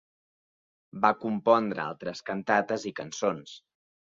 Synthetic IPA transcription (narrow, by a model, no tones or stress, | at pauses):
bakumpɔnd̪ɾəa̰lˠt̪ɾəskənt̪at̪əzikənsons